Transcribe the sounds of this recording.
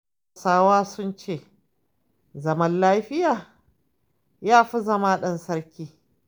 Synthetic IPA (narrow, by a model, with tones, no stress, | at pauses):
saː˦waː˦sʊ˦nt͡ʃeː˦˨ | zɐ˨mɐ˦nlaː˦ɸɪ˦jaː˨ | jaː˦ɸi˦zɐ˦maː˦ɗɐ˦nsɐ˦rkʲiː˦